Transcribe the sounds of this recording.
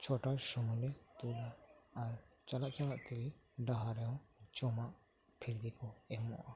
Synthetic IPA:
t͡ʃʰɔʈasɔmɔlɛt̪ulaːɾt͡ʃalaʔt͡ʃalaʔt̪ɛliɖaɦaɾɛɔ̃t͡ʃɔmaʔ | pʰiɾd̪ikɔɛmɔ̰ʔa

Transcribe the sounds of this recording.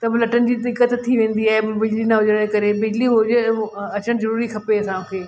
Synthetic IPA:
t̪ɐbɪlɐʈənd͡ʑiːd̪ɪkət̪t̪ʰːiʋẽːnd̪iaːɦebbɪd͡ʑlinɐɦʊd͡ʑəɽɽ̃ekɐɾebɪd͡ʑliɦʊd͡ʑɐt͡ɕəɽ̃zɐɾuːɾikʰɐpeɐsãũkʰeː

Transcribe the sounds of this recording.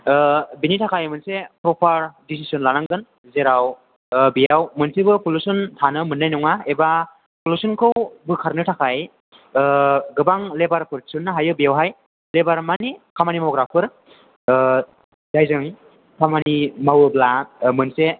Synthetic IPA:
binitʰakʰajmɯnsepɾɔpʰaɾdis̬isɯnlanaŋɡɯn | zeɾaw | bijawmɯnsebɯpʰulusɯntʰanɯmɯnːajnɔŋaeba | pʰulusɯnkʰɯwbɯkʰaɾnɯtʰakʰaj | ɡɯbaŋlebaɾpʰɯɾsɯnːɯɦajɯbijawɦaj | lebaɾmanikʰamanimɔɡɾapʰɯɾ | dajzɯŋ | kʰamanimawɯblamɯnse

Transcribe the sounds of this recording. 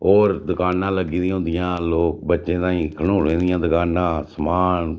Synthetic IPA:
oːɾd̪ʊkaːnːãːləɡiːd̪ĩːɦʊ̃nd̪ɪjãːloːk̚bətːʃẽːt̪ãːĩːkʰəɽ̃oːlẽːd̪ɪjãːd̪ʊkaːnːãːsəmaːn

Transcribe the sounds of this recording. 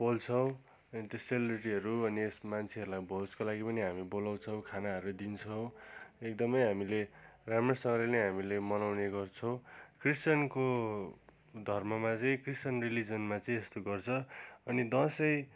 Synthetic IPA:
bolt͡sʰʌw̃ | ʌnit̪oselebriʈiɦʌɾuʌniesmant͡sʰeʌɾulajboskolaɡipʌniɦamibolaw̃t͡sʰʌw̃kʰanaɦʌɾud̪int͡sʰʌw̃ek̚d̪ʌmʌjɦamileramesʌŋɡʌlenʌjɦamilemʌnawneɡʌrt͡sʰʌw̃krist͡sʌnko | d̪ʱʌrmʌmat͡sʌĩkrist͡sʌnrilid͡zʌnmat͡sʌĩest̪oɡʌrt͡sʰʌʌnid̪ʌsʌj

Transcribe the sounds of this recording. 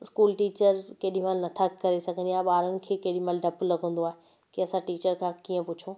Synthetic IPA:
ɪskuːlʈiːt͡ɕəɾkeɗĩmaːlnɐt̪ʰakɐɾesɐɡʱə̃ɲd͡ʑ̪iaːɦɓaːɾənɪ̆kʰeːkeːɗĩmaːlɖɐplɐɡʱə̃n̆d̪oaːɦe | kiɐsãʈiːt͡ɕəɾkʰãkiːə̃pʊt͡ɕʰoː

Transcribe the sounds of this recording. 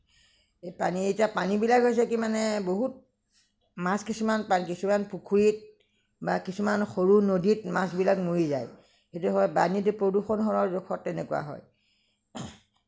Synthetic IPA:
ejpanietiapanibilakɦojs̬ɛkimanɛboɦut̚ | maskisumanpanikisumanpukʰuɹit̚ | bakisumanxoɹunoditmasbilakmuɹiza̰j | xetuɦɔjbanitupɹoduxɔnɦɔɹɔɹzɔkʰɔtːɛnɛkuwa̰ɦɔ̰j

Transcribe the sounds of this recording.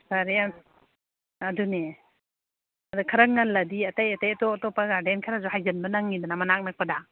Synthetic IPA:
saɾjan | adune | adakʰaɾaŋ̚ŋalːadiatajatajatɔtɔpaɡaɾdenkʰaɾazɔhajzanbanaŋːidanamanak̚nak̚pada

